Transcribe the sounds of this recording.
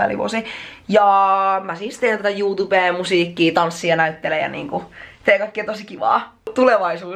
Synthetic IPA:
æ̰lḭʋo̰sijɑmæsist̪eːnt̪æt̪æjuːt̪ubeːmusiːkːiːt̪ɑnsːiɑnæyt̪ːelejɑ̰nḭːŋkut̪eːkɑikːeːt̪osikiʋɑ̰ː | t̪uleʋɑisuː

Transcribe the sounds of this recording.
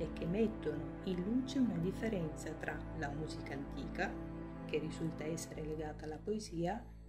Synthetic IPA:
ek̟ːemːɛt̪ːono | inluːt͡ʃeunad̪ifːeɾɛnt̪sat̪ɾʔalamuːzikaːnt̪ḭːka | kerːizult̪aɛsːeɾeleɡaːt̪aːlːapoeziːa

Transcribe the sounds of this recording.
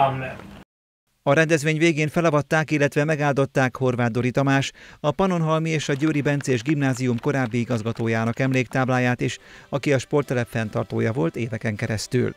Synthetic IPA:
mnɛ | ɒɾɛnd̪ɛzʋeːɲveːɡeːnfɛlɒvɒt̪ːaːkilːɛt̪ʋɛmɛɡaːld̪o̞t̪ːaːkho̞rvaːd̪ːo̞ɾit̪ɒmaːʃɒpɒno̞nɦɒlmieːʃɒɟøːɾibɛnt̪seːʒɡimnaːzijumko̞ɾaːbːiiɡɒzɡɒt̪oːjaːnɒkɛmleːkt̪aːblaːjaːt̪eːʃɒkiɒʃpo̞rt̪ːɛlɛfɛnt̪ɒrt̪oːjɒvo̞lt̪eːd̪ɛkɛŋkɛɾɛst̪y̰l

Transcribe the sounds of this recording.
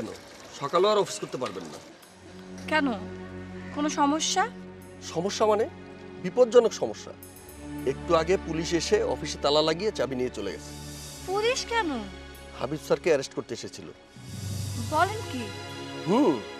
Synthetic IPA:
ɛno̰ | ʃɔkaloaɾɔfʰi̥skoɾt̪epaɾbenːa̰ | kɛno | konoʃɔmoʃːa | ʃɔmoʃːamane | bipod̪d͡ʑɔnokʃɔmoʃːa̰ | ek̚ʈuaɡepuliʃeʃeɔ̰fiʃet̪alalaɡijet͡ɕabinijet͡ɕolḛɡɛ̰t͡ɕʰe̥puliʃkɛno | ha̰bibsaɾkeɛɾesʈkoɾt̪eeʃet͡ɕʰilo̰ | bɔlenkihũ

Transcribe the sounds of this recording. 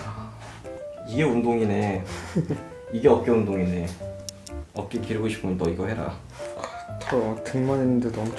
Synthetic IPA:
a | iɡe̞undoŋine̞ | iɡe̞ʌp̚k͈eundoŋine | ʌp̚k͈ekiɾɯɡoɕʰi̥pʰɯnt͈ʌiɡʌɦe̞ɾa̰ | kɯ̥tʰʌtʰɯŋmanenːɯndenʌmut͡ɕ

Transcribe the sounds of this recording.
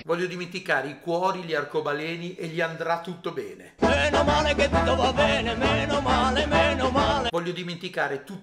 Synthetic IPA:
vɔʎːod̪iment̪ikaːɾeikwɔːɾiʎiarkobalɛːniʔeʎiand̪ɾat̪ːut̪ːobɛːnemeːnomaːleket̪ːut̪ːovabɛːnemeːnomaːlemeːnomaːlevɔʎːod̪iment̪ikaːɾet̪u

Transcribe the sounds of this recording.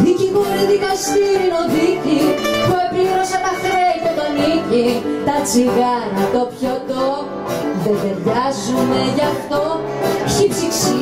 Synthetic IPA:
ðicipoɾiðikɐst̪iɾinoðicipuepɾiɾosɐnɐxɾeiɲot̪onicit̪ɐt͡siɣɐɾɐt̪o̞pçot̪o | ðeveɾʝɐzume̞ʝɐft̪o̞ | çipsiksi

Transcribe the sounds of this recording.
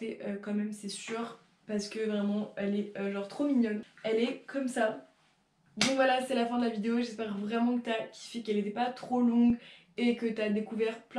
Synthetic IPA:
ɛʔøkɑ̃mɛmsɛsyːʁ | paʁsə̥kəvʁɛmɑ̃ɛlɛøʒɑ̃ʁt̪χomiɲjɔnɛlɛkʰɔmsa | d̪ɔ̃kvwalasɛlafɛ̃d̪əlavid̪eoeʒɛspɛʁvʁɛmɑ̃kə̥t̪yakʲʰi̥fɛkɛlet̪ɛpat̪χolɔ̃ɡ | ekət̪yad̪ekuvɛʁplɛ̃

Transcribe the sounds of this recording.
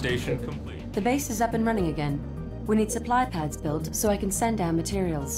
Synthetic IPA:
teɪʃnkʰʌ̃mp | ðɨbeɪsɨzʌpɨ̃nɹʌnɪ̃ŋɨɡɛ̃n | winid̥sɨpʰl̥aɪpʰadzbɪlˠtsoʊaɪkɨ̃n̩sɛ̃ndaʊəmɨtʰɪɹiəlˠz̥

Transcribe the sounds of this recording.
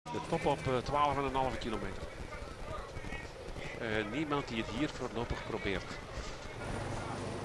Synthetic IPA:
dətɔpɔptwaːlˠəfanənɑlˠəvəkilomeːtər | nimɑnt̚diəthiːərforloːpəxprobɪːrt

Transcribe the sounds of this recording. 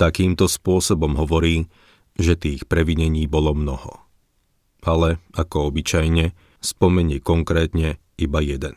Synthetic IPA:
t̪akiːmt̪ɔspʊɔsɔbɔmɦɔʋɔɾiː | ʒɛt̪iːxpɾɛʋiɲɛɲiːbɔlɔmnɔhɔ̰ | alɛakɔɔbit͡ʃajɲɛ | spɔmɛɲikɔŋkɾɛːt̪ɲɛ | ibajɛd̪ɛn

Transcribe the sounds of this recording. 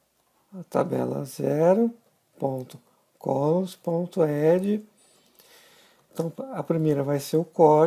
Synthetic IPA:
ɐt̪a̰bɛ̰lɐ̰zɛɾʊ | põnt̪ʊ | kʰolõspõnt̪ʊɛd͡ʒɪ | t̪ɐ̃w̃ɐpɾimejɾɐvajseɾʊkɔ

